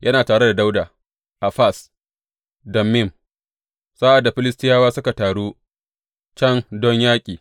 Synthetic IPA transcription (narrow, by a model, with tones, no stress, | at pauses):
jʔɐ˦naː˨taː˨ɽe˦da˨da˦wdaː˨ | ʔa˨ɸa˦˨s | dɐ˨mːɪ˦˨m | saː˦ʔa˨dːa˨ɸɪ˦lɪ˦stɪ˦jaː˦waː˦sʊ˦ka˨taː˨ɽuː˦ | t͡ʃɐ˦ndɔ˦ɲjaː˦kʲʼiː˨